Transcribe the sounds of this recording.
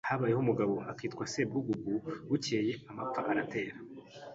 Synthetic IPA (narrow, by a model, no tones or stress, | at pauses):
haβaːjehomuɡaβo̞akiːtkwaseb̚ɡuɡuɡuwuce̞ːje̞amap̪p͡faʔaɾate̞ːɾa